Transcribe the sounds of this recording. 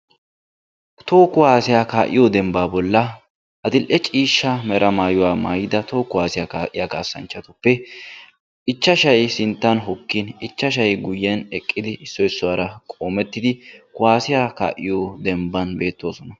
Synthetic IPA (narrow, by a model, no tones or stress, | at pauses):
t̪o̞ːkʊwaːsɪjaːkaːʔɪjod̪ɛmbaːbɔlːɐ | ʔɐd̪ɪlʔɛt͡ʃʼiːʃːɐmɛɾʔɐmaːjʊwaːma̰ːjɪd̪ɐt̪o̞ːkʊwaːsɪjaːkaːʔɪjaːka̰ːsːɐ̰nt͡ʃːɐt̪ʊpːɛ | ɪt͡ʃːɐʃɐjsɪnt̪ːɐnɦɔkːɪnɪt͡ʃːɐʃ̬ɐjɡʊjːɛnɛkʼːɪd̪ɪɪsːɔjɪsːʊwaɾɐkʼo̞ːmɛt̪ːɪd̪ɪkʊwaːsɪjaka̰ːʔɪ̰jod̪ɛmbɐnbe̞ːt̪ːo̞ːsɔnɐ